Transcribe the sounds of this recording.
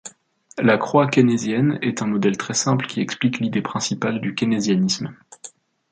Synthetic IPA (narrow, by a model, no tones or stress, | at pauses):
lakχwakʲenezjɛnɛt̪ɛ̃mɔd̪ɛlt̪χɛsɛ̃plkʲiɛkspliklid̪epχɛ̃sipald̪ykʲenezjanism